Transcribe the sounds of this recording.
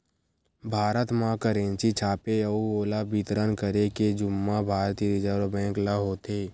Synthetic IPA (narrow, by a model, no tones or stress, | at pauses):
bʱaːɾət̪mãkəɾẽːnt͡ʃit͡ʃʰaːpeəuoːlabit̪ɾənkəɾeked͡ʒʊmːabʱaːɾt̪iəd̪ɪd͡ʒəɾobɛ̃ːŋklaɦoːt̪eː